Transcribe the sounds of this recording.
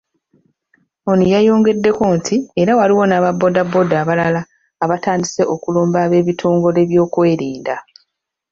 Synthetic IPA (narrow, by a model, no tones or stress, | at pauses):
onijajo̞ːŋɡe̞dːe̞ko̞ntʰieɾawaliwo̞naːβabːo̞dabːo̞daːβalalaː | βataːndise̞ʔo̞kuloːmbaβe̞ːβitʰo̞ːŋɡo̞le̞βjo̞ːkwe̞ːɾiːnda